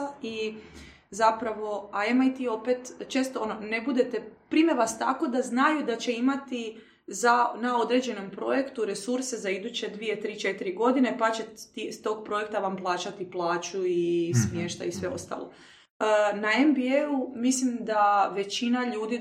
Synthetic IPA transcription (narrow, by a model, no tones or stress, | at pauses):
i | zapɾaʋo̞aemait̪io̞pet̪t͡ʃeːst̪oonone̞bud̪e̞t̪e̞pɾimeʋast̪a̰ko̞d̪aznajud̪at͡ɕe̞imat̪i | zanao̞d̪ɾe̞d͡ʑe̞no̞mpɾo̞je̞kt̪uɾe̞suɾse̞zaid̪ut͡ɕe̞d̪ʋie̞t̪ɾiːt͡ʃe̞t̪iɾiɡo̞d̪ine̞pat͡ɕe̞t̪ist̪o̞ːɡ̚pɾo̞je̞k̚t̪aʋamplˠaːt͡ɕat̪iplˠaːt͡ɕuismje̞ːʃt̪a̰isʋe̞o̞̰st̪a̰ːlo̞̰ | naembieumislimd̪aʋe̞t͡ɕinaʎuːd̪i